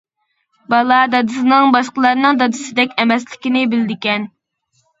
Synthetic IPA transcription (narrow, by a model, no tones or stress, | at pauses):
bɑlˠɑd̪ɑd̪ɨsɨnɨŋbɑʃqəlˠɑɾɨnɨŋd̪ɑd̪ɨsɨd̪ɛkʲɛmɛslɪkʲinɪbɪlɪd̪ɪkʲɛn